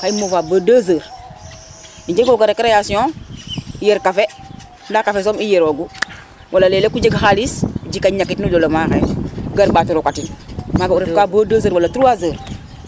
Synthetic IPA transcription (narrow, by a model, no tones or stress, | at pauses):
kajimofaːbaːdaːzəːɾ | iɲd͡ʒeɡoɡaɾekɾejasiõ | jeɾkafe | ndakafes̬oːmijeɾoɡu | wʔalalelekud͡ʒeɡxalisd͡ʒikaɲakitnulolomaːxḛɡaɾbaːtuɾukatimaɡauɾefkaːbaːdaːz̬əːɾwalatuɾuwazəːɾ